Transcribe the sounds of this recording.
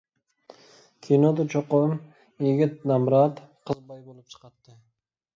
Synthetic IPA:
kʲʰinod̪ut͡ʃʰoqom | iɡʲit̪̚nɑmɾɑt̪qʰəzbɑjbolˠup̚t͡ʃʰɨ̥qɑt̪ːɨ

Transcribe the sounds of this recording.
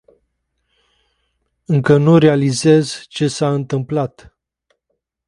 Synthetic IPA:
ɨŋkənuɾealize̞zt͡ʃe̞saɨnt̪ɨmplat̪

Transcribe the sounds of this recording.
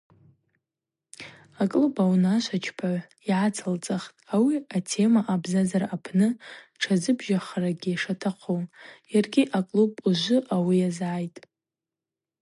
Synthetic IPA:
akʼlubawnaʃʷat͡ʃʰpʰa | iʕat͡sʰalt͡sʼaχtʼawiatʰe̞maʔabzazarapʰnɨʈ͡ʂʰazɨbʒaχraɡʲiaʂatʰaqʷʰowjarɡʲiʔakʼlubuʒʷʊʔawijazʕajtʼ

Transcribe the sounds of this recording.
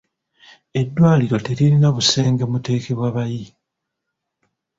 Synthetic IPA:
e̞dːwaːliɾo̞te̞ɾiɾinaβuse̞ːŋɡe̞mute̞ːke̞βwaβaji

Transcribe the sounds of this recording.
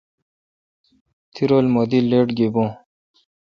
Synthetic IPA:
t̪ʰiɾoːlmod̪ileːʈɡebõː

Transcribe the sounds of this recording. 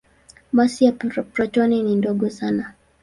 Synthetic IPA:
ɓasiappɾɔt͡ʃɔninindɔɡɔsana

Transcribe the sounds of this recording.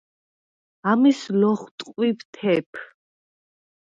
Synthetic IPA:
amislɔχt̪ʼqʼwipt̪ʰɛpʰ

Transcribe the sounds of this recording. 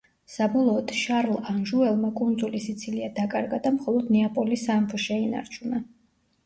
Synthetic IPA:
sabɔlˠɔːd̪̥ʃaɾlˠanʒuɛlˠmakʼund̪zulisit̪sʰiliad̪akʼaɾɡad̪amχɔlˠɔd̪nɛapʼɔlisampʰʃɛina̰ɾt͡ʃʰuna

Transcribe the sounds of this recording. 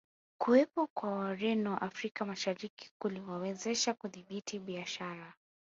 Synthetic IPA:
kuwɛpɔkwawaɾɛnɔʔafɾikamaʃaɾiki̥kuliwawɛzɛʃakuðiɓitʰiɓiaʃaɾa

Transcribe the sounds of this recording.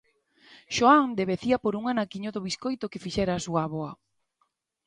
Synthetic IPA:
ʃoaŋd̪eβeθiapoɾuŋanakiɲoðoβiskojt̪okefiʃɛɾaːsuaβoa

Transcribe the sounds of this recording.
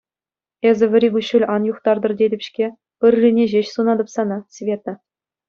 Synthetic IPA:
ezʲɘ̆ʋʲɘ̆ɾʲibʲuɕulʲɑnjuχt̪ɑrd̪ɤ̆rdʲedʲɘ̆pʲɕkʲe | pʲɘ̆rʲːinʲeʑeɕsunɑd̪ɤ̆psɑnɑsʲvʲet̪ɘ̆

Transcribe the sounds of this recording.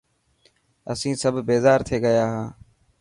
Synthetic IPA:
əsĩːsəbʱbeːzaːɾt̪ʰeːɡəjaːɦãː

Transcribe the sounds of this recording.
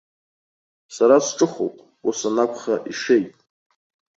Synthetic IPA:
saɾasʈ͡ʂʼɨχo̰pʼ | osanakʷʰχaʔiʂejtʼ

